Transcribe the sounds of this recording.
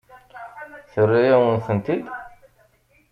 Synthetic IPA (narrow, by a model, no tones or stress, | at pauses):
θərːijæwənθənt̪id̪